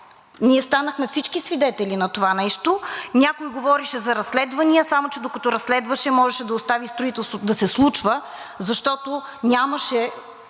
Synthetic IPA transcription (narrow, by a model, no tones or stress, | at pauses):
niɛst̪anəxmɛfsit͡ʃkisvid̪ɛt̪ɛlʲinɐt̪ovanɛʃt̪onʲakʊjɡovɔɾiʃɛzɐɾɐsːlɛd̪vɐniəsamot͡ʃɛd̪okɐt̪ɔɾɐsːlɛd̪vəʃɛmɔʒɛʃɛd̪ɐʊst̪avist̪ɾʊit̪ɛlˠst̪vot̪d̪ɐsɛslˠut͡ʃvə | zɐʃt̪ɔt̪onʲaməʃɛ